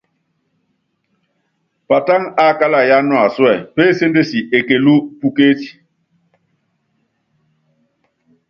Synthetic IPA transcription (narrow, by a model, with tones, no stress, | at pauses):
pa˨ta˦ŋa˦˨ka˦la˨ja˦nwa˨swɛ˦˨pe˦˨se˦nde˦si˨ʔe˨ke˨lu˦pu˦ke˦ti̥˨